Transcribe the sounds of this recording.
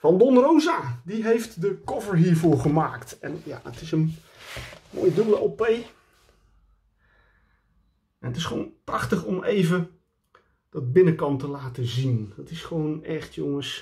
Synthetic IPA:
fɑndɔnrowzaːdiɦejftdəkɔvəɹɦiːɹvʊːɹχəmaːktɛ̰nja̰ətɪsən | mo̰ːjədɵbəlˠəopej | ʔɛnətɪsχəʋownprɑχtəχɔmejvə | d̥ɑd̚bɪnəkɑntəlaːtəzindɑtɪsχəʋownɛχtʰjoŋəs

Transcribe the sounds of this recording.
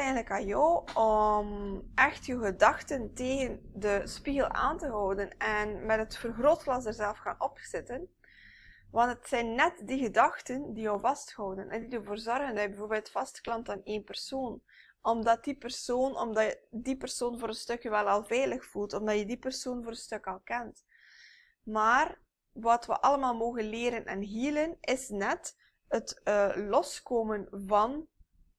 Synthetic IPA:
ɛjndələkajɔwɔmʔɛxtjœwɣədɑxtənteːɣəndəspiɣəlˠa̰ːntəɦɔwdənɛnmɛtɦətfərɣroːtlɑsdərzɛlˠfxa̰ːnɔpz̥ɪtən | ʋɑntətsɛjnːɛtdiɣədɑxtəndijɔwvɑsthɔwdənʔɛ̰ndidərvoːrzɔrɣəndɑjəbəvoːrbeːlˠtfɑstklɑntaːneːnpɛrsoːn | ɔmdɑt̚dipərsoːnɔ̰mdɑədipərsoːnvoːɾətstɵkjəʋɛlˠɑlˠvɛjləxfulˠtɔmdɑjədipərsoːnvoːɾətstɵkɑlˠkɛnt | maːr | ʋɑtʋə̰ʔɑləmaːlˠmoːɣənleːɾənʔɛ̰nɦiːlənɪsnɛt | ətəlɔskoːmənvɑn

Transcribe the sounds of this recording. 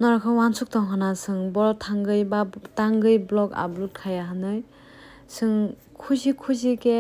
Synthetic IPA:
nɔɾakʰɯwansʰuk̚tɔŋɦanasɯŋbɔɾtʰaŋɡɯjbataŋɡɯjblɔka̰blut̚kʰajaɦanɯj | sɯŋ | kʰuzikʰuzike

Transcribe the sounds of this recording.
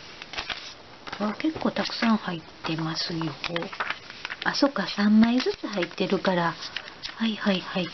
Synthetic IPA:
βake̞kːo̞ːt̪akɯ̟̥sãɰ̃hait̪ːe̞masɨjoho | asokasãmːaizɨt͡sɨhait̪ːe̞ɾɯ̟kaɾahaihaihai

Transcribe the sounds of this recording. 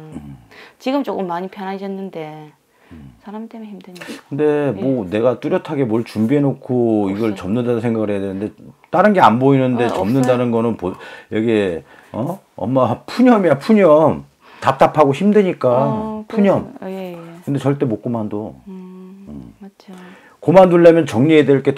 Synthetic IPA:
ɯt͡ɕiɡɯmt͡ɕ͈ok͈ɯmːaɲipʰjʌnɦad͡ʑʌnːɯnde̞ | sʰaɾamit͈emçidkɯnde̞mʌne̞ɡat͈uɾjʌtʰaɡe̞mʌɭt͡ɕumbiɦe̞nokʰoiɡʌɭt͡ɕʌmnɯndadosʰeŋɡaɡɯɭɦejadwenɯnde̞t͈aɾɯnɡe̞anboinɯnde̞t͡ɕʌmnɯndanɯnɡʌnɯnpojeɡe | ʌ | ʌ̰mːapʰuɲʌmiapʰuɲʌm | tap̚t͈apʰaɡoçimdweɲik͈apʰuɲʌm | kɯnde̞t͡ɕʌɭt͈e̞mok͈omando | ɯ̰m | komanduɭːamjʌnt͡ɕʌŋɲiedweɭk͈e̞

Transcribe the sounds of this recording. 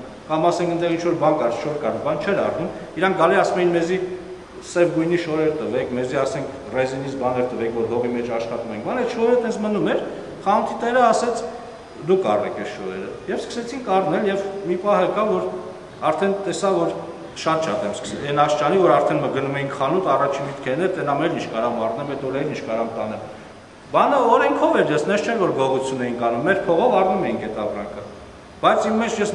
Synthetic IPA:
kɑmɑsɛŋkʰənd̪ɛʁint͡ʃʰvɔɾbɑnkɑrsʃɔɾkɑɾɔbɑnt͡ʃʰɛɾɑ̰rnumiɾɑŋk̚ʰɡɑliɑsmɛjinmɛzi | sɛvɡujniʃɔɾɛɾt̪əvɛkʰmɛziɑsɛŋkʰrɛzinit͡sbɑnɛɾt̪əvɛkʰvɔɾɦɔvimɛt͡ʃʰɑʃχɑt̪umɛjiŋkbɑnɛt̪ʃɔhɛɾət̪ɛnt͡sʰmənumɛɾ | χɑnt̪ʰit̪ɛɾəɑsɛt͡sʰ | d̪ukʰɑ̰rɛ̰kʰɛsʃɔɾɛɾəjɛvskʰə̥sɛt͡sʰiŋkʰɑrnɛljɛvmipɑhəkɑvɔɾ | ɑɾt̪ʰɛnt̪ɛsɑvɔɾ | ʃɑnt͡ʃʰɑt̪ɛmskə̥sɛnɑʃt͡ʃɑnivɔɾɑɾt̪ʰɛnməɡənumɛjiŋkχɑnut̪ɑrɑt͡ʃʰinmit̪kʰɛnɛɾt̪ɛnɑmɛɾint͡ʃʰkɑɾɑmɑrnɛmɛt̪ɔɾɛɾint͡ʃʰkɑɾɑmt̪ɑnɛl | bɑnəɔɾɛŋkʰɔvɛɾjɛsnɛst͡ʃʰɛnvɔɾɡɔʁut͡sʰjunɛjinkɑlumːɛɾpʰɔʁɔvɑrnumɛjiŋkʰɛt̪ɑpɾɑŋkʰə | b̥ɑjt͡sʰimːɛt͡ʃʰjɛs

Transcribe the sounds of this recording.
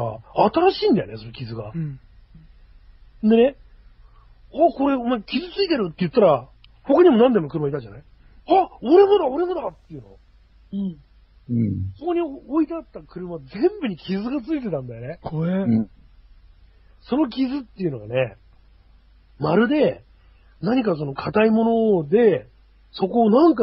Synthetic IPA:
a̰at̪aɾaɕiːnd̪ajo̰ne̞so̞no̞kʲizɨɡa | nd̪e̞ne̞ | ako̞ɾe̞omaikʲizɨt͡sɨit̪e̞ɾɯ̟t̪ːejɯ̟t̪ːaɾa | ho̞kaɲ̟imo̞nãnd̪e̞mo̞kɯ̟ɾɯmait̪ad͡ʑanai | aoɾe̞mod̪ao̞ɾe̞mod̪at̪ːejɯ̟nõ | okoɲ̟iooit̪at̪ːakɯ̟ɾɯ̟mad͡zẽ̞mbɯ̟ɲ̟ikʲizɨɡat͡sɨit̪̬e̞t̪ãnd̪ajo̞ne̞kʰoɾe | so̞no̞kʲizɨt̪ːe̞iɯ̟no̞ɡane̞ | maɾɯ̟d̪e̞ | naɲ̟ik̬as̬o̞no̞kʰat̪aimo̞no̞d̪e̞ | so̞ko̞ːnãŋka

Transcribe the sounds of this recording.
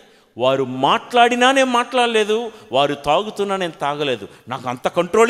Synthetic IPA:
ʋaːɾumaːʈlaːɽinaːne̞ːnumaːʈlaːɽile̞ːd̪uʋaːɾut̪aːɡut̪unːaːne̞ːnut̪aːɡɐle̞ːd̪unaːkɐnt̪ɐkɐɳʈɾo̞ːl

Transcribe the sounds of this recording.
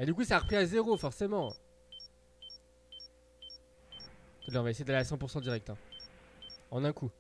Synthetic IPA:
ed̪ykusaːʁəpχiazeʁofɔʁsemɑ̃ | kud̪lɛʁ̃vaesejed̪aleasɑ̃puʁsɑ̃d̪iʁɛk̚t̪ɛ̃ | ɑ̃nɛ̃ku

